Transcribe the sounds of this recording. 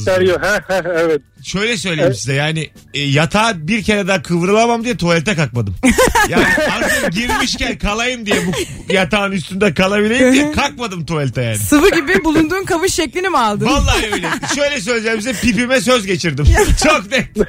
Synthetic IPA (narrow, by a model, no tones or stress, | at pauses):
aɾjoɦɛ̃hɛ̃ɛvɛt̪ʃø̞jlʲɛsø̞jlʲeimsizɛjaːnɪ | jat̪ʰaːbiɾcʰeɾɛd̪aːkʰɯvɾɯlˠamamd̪ijɛt̪ʰoɛlʲt̪ʰɛkak̚mad̪ɯmjaːnɪaɾd͡ʒaɟiɾmiʃcælʲkʰalˠajɯmd̪ijɛbu | jat̪ʰaːnyst̪ʰynd̪ɛkʰalˠabilʲe̞jimd̪ijɛkʰak̚mad̪ɯmt̪ʰoalʲt̪ʰajaːnɪsɯfɯɟibibulˠund̪uːnkʰavɯʃːeclʲinimalˠd̪ɯvalˠːaːøjlʲɛʃø̞jlʲɛs̬øjlʲed͡ʒɛɾimsizɛpipimɛs̬øzɟe̞t͡ʃʰiɾd̪imt͡ʃʰoknɛ